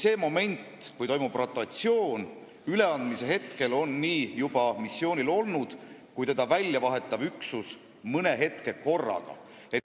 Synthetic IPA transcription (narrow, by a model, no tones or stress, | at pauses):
se̞ːmo̞me̞nʲt̪kujt̪o̞jmub̥rot̪ːˑɑt̪sio̞ːn | yle̞ɑnd̪mise̞ɦe̞t̪ke̞lo̞nːiːjub̥ɑmisːjo̞ːnʲilo̞lnud̪̥kujt̪e̞d̪̥ɑvælʲjɑvɑɦe̞t̪ːˑɑvyksus | mɤne̞ɦe̞t̪ke̞ko̞rːɑ̰ɡ̥ɑ̰ | e̞